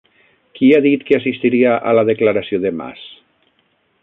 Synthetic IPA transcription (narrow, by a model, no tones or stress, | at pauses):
kiaðit̪keasist̪iɾiaʔa̰laðeklaɾasioðema̰s